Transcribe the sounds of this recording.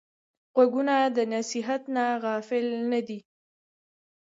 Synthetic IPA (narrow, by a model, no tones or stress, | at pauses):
ɣaɡunad̪ənasiɦat̪naɣɑfɪlnad̪i